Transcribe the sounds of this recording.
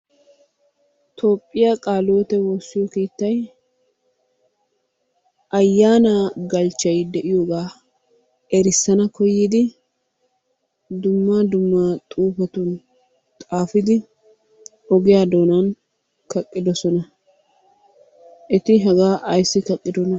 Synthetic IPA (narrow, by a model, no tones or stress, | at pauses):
t̪ʰo̞ːpʼːɪjakʼaːloːt̪ɛwoːsːɪjɔkeːt̪ːɐj | ʔɐjːaːnaɡɐlt͡ʃːɐjd̪ɛʔɪjo̞ːɡaː | ɛɾɪsːɐnɐkɔjiːd̪ɪ | d̪ʊmːad̪ʊmːaːt̪ʼuːpɔt̪ʊn | t̪ʼaːfɪd̪ɪ | ɔɡɪjaːd̪o̞ːnan | kɐkʼːɪd̪ɔsɔnɐ | ʔɪt̪ɪɦɛɡaːʔɐjsːɪkɐkʼːɪd̪ɔnɐ